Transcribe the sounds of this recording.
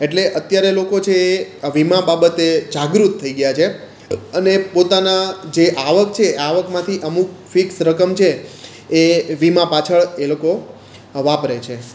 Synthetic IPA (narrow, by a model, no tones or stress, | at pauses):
eʈleʔət̪jaɾelokot͡ʃʰeʋimãbabət̪ed͡ʒaɡɾut̪ʰːəiɡəjat͡ʃʰe | ənepot̪anad͡ʒeʔaʋək̚t͡ʃʰeaʋəkmãt̪ʰiʔəmukfiksɾəkəmt͡ʃʰeː | ʋimãpat͡ʃʰəɭeloko | ʋapɾet͡ʃʰe